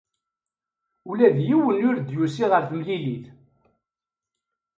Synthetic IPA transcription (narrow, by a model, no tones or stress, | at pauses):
ʊlæðjiwənʊɾd̪jusiʁəɾθəmliliθ